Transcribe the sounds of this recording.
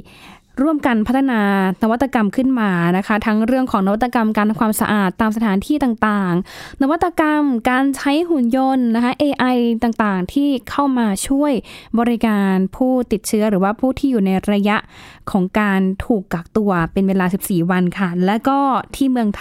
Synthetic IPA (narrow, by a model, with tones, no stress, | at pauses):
ɾu˥˩əmka˧npʰa˦˥t̪ʰːa˧naː˧na˦˥wa˦˥t̪ːa˧ka˧mkʰɯ˥˩nmaː˧na˦˥kʰa˦˥t̪ʰa˦˥ŋɾɯ˥˩əŋkʰɔː˩˦ŋna˦wa˥t̪ːa˧ka˧mkaː˧n˧kʰwaː˧msa˧ʔaː˨˩t̪ːaː˧msa˧t̪ʰaː˩˦nt̪ʰiː˥˩t̪aː˨˩ŋt̪aː˨˩ŋna˦˥wa˦˥t̪ːa˧ka˧mkaː˧nt͡ɕʰa˦˥jhu˨˩njo˧nːa˦˥kʰa˦˥ʔeː˧ʔa˧jt̪aː˨˩ŋt̪aː˨˩ŋt̪ʰiː˥˩kʰa˥˩wmaː˧t͡ɕʰu˥˩əjbɔː˧ɾi˦˥kaː˧npʰuː˥˩t̪i˨˩t̪̚t͡ɕʰɯ˦˥ɐɾɯː˩˦waː˥˩pʰuː˥˩t̪ʰiː˥˩juː˨˩na˧jɾa˧ja˦˥ʔkʰɔː˩˦ŋkaː˧nt̪ʰuː˨˩kːaː˨˩k̚t̪u˧ɐpe˧nweː˧laː˧si˨˩p̚siː˨˩wa˧nkʰa˥˩lɛː˦˥wkɔː˥˩t̪ʰiː˥˩mɯ˧əŋt̪ʰ